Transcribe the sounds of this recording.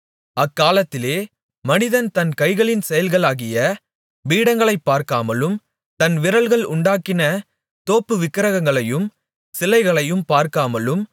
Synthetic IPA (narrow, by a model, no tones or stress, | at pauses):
ɐkːaːlɐt̪ːɪleː | mɐnɪðɐnt̪ɐnkɐɪɣɐɭɪnsɛjɐlɣɐɭaːɣɪjɐ | ʋiːɽɐŋɡɐɭɐɪpːaːɾkaːmɐlɯm | t̪ɐnʋɪɾɐɭɣɐɭʊɳɖaːkːɪnɐ | t̪oːpːɯʋɪkːɪɾɐɣɐŋɡɐɭɐjɯm | sɪlɐɪɣɐɭɐjɯmpaːɾkaːmɐlɯm